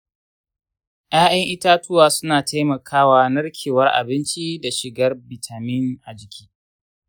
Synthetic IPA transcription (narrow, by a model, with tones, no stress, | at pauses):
ʔj̰aː˦ʔɐ˦ŋʔɪ˦taː˦tʊ˦waː˨sʊ˦naː˨tʰa˦jmɐ˨kʰaː˦waː˦nɐ˦rkʲʰeː˨wɐ˦rʔa̰˨bɪ˦nt͡ʃi˦da˨ʃɪ˨ɡɐ˦rbɪ˨tʰa˨mɪ˦nʔa˨d͡ʒɪ˨kʲʰi̥ː˦